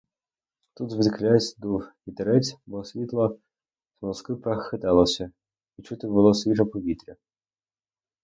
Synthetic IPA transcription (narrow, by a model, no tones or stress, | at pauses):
t̪ud̪zʋɪd̪klʲajet͡sʲd̪uwʲit̪eɾɛt͡sʲbɔsʲʋʲit̪lˠɐ | z̥mɔskɪpɾɐxxɪt̪ɛlˠɔsʲɐ | it͡ʃut̪ɪbʊlˠɔsʲʋʲiʒɐpɔʋʲit̪ɾʲɐ